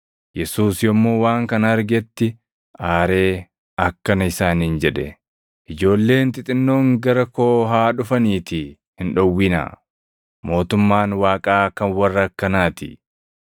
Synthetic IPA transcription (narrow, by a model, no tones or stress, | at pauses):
jɛsuːsjɔmːo̞ːwaːŋkɐnɐɐɾɡɛt̪ːɪ | ʔaːɾe̞ː | ɐkːɐnɐɪsaːnind͡ʒɛᶑɛ | ʔɪd͡ʒo̞ːlːe̞ːnt̪ʼɪt̪ʼɪnːo̞ːŋɡɐɾɐkoːɦaːᶑʊfɐniːt̪ɪ | hɪnᶑɔwːɪna̰ | mo̞ːt̪ʊmːaːnwaːkʼaːkɐnwɐrːɐkːɐnaːt̪ɪ̰